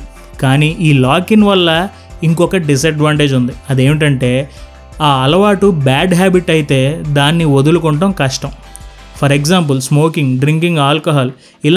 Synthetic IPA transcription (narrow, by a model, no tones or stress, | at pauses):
kaːniːʔiːlaːkinʋɐlːɐ | iŋkɔkɐɖis̬ɐɖʋaːɳʈe̞ːd͡ʒund̪iɐd̪e̞ːmiʈ̬ɐɳʈe̞ː | aːɐlɐʋaːʈubaːɖɦaːbiʈɐjit̪e̞ːd̪aːnːiʋod̪ulukɔɳʈɐmkɐʂʈɐm | pʰɐɾeksaːmp̬ulsmo̞ːkiŋɡɖɾiŋkiŋɡaːlkɐɦaːl | il